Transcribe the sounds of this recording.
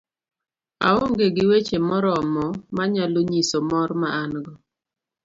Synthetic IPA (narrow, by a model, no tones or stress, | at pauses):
a̰oŋɡeɡɪwet͡ʃemɔɾɔmɔmaɲaloɲisomɔɾmaʔanɡɔ